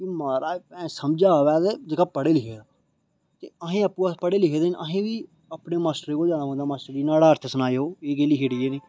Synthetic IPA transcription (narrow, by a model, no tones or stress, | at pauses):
kimaːɾaːɛ̃səmd͡ʒaːʋɛːt̪ed͡ʒəkaːpəɽeːlɪkʰeːdaː | t̪ḛːəɦẽːəpːũːəpəɽeːlɪkʰeːd̪enʔə̰ɦẽːʋiː | aːpneːmaːsʈəɾeːkoːd͡ʒãːnaːõːd̪aːmaːsʈəɾinaːɽaːəɾt̪ʰəsənaːeɦoːeːɡeːliːɦeɽɪjeniː